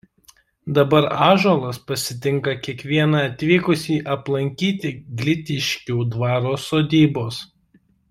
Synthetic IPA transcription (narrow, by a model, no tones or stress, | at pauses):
d̪ɐbɐɾɑːʒolˠɐspɐsʲɪt̪ʲɪŋˑkɐkʲiɛkʋʲiɛnɑɐt̪ʲʋʲiːkʊsʲiːʔɐplˠɐŋʲkʲiːt̪ʲɪɡlʲɪt̪ʲɪʃʲkʲuːd̪ʋɑːɾoːsoːd̪ʲiːboːs